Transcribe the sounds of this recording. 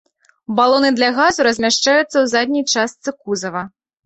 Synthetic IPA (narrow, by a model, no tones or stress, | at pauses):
balˠɔnɨd̪lʲɐɣazuɾɐzʲmʲaʂt͡ʂajut̪sːɐwzad̪ʲnʲijt͡ʂast̪sɨkuzɐvɐ